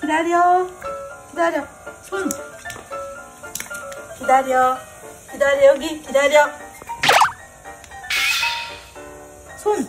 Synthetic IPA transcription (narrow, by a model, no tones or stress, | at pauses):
kid̪aɾʌ | kid̪aɾjʌ | sʰun | kid̪aɾjʌ | kid̪aɾjʌɡikid̪aɾjʌk | sʰun